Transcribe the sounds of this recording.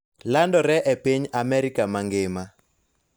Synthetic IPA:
landɔɾɛʔɛpeɲamɛɾikamaŋɡɪma

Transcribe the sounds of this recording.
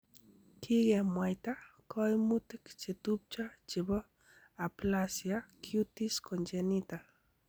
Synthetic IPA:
kʰiɡemwajt̪akʰɔjmut̪ɪkt͡ʃet̪up̚t͡ʃat͡ʃɪbɔ | aplasjakʰut̪iskont͡ʃenit̪a

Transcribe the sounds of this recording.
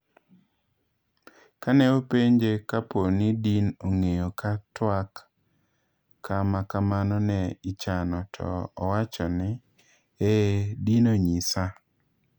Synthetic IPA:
kanɛopeɲd͡ʒekaponidinoŋejokatwak | amakamanɔnɛɪt͡ʃanɔtʰɔ̰ːwat͡ʃɔnɪ | edinoɲisa

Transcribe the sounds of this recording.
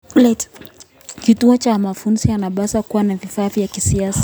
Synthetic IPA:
lɛt | kituɔt͡ʃamafunzianaɓasakuwanavifaːvjakisiasḁ

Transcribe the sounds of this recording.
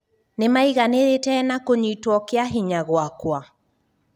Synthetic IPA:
nemaiɣaneɾetɛnakoɲuitwɔkeaɦiɲaɣwakwa

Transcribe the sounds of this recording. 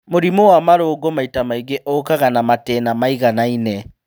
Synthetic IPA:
moɾimowamaɾoːɡɔmaitamaiɣeʔɔkaɣanamatɛnamaiɣanainɛ

